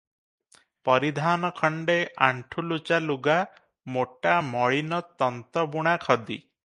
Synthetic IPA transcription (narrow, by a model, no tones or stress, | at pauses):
pɔɾid̪ʱanɔkʰɔɳɖeʔaɳʈʰulut͡ʃaluɡa | moʈamɔɭinɔt̪ɔnt̪ɔbuɽ̃akʰɔd̪ḭ